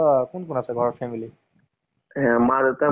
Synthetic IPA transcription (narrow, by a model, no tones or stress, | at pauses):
kunkunasɛɡʱɔɹɔɹpʰɛmili | ɛ̃mad̪t̪ɛ